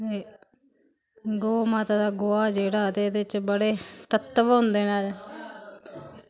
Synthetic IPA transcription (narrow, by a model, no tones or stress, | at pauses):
e | ɡoːmaːt̪ad̪aːɡoaːd͡ʒeːɽaːt̪eːd̪eɪt͡ʃbəɽeːt̪ət̪ːʋɦʊ̃nd̪eːnaːd͡ʒ